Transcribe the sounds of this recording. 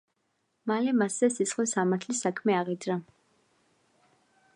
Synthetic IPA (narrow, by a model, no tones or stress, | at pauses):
malɛmasɛsisχɛsamat̪ʰlisakʰmɛaʁid̪ɾa